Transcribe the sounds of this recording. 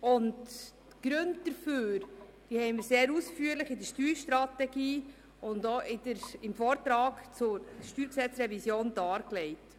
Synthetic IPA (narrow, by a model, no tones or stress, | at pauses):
ʊnd | ɡ̥ɾɵndd̥əɾføːɾ | d̥ihɛɪnmɪːɾseːɾuːsfyːəɾlɪχɪdəɾʃtyːɾʃtɾɑtɛɡiː | ʊndoʔɪdəɾɪmfɔːɾt̪ɾɑːkt͡sʊɾʃtyːɾksɛt͡sɾɛvisjoːndɑːɾklɛɪt